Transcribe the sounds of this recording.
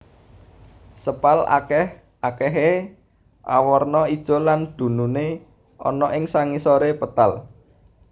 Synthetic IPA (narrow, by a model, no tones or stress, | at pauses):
səpala̰kɛh | akɛɦe | ʔa̰wɔrnɔid̥ʒ̥ɔ̤land̪̥ṳnune | ɔ̰nɔʔɪŋsaŋisɔɾepət̪al